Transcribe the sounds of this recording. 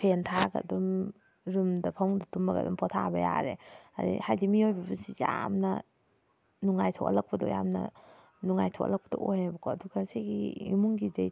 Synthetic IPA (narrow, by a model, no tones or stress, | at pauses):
pʰentʰaɡɐ̰dum | ɾɯmdɐpʰawŋdatumɐɡɐ̰dumpʰɔtʰabɐja̰ɾḛa̰ɾḭhajlimiojbɐbɐsijamnɐ | nuŋajtʰo̰ʔɐlɐk̚pɐdɔ̰jamnɐ̰ | nuŋajtʰɔʔlak̚pɐdɔ̰ʔojhabɐkʰɔɐduɡɐsiɡiimuŋɡidej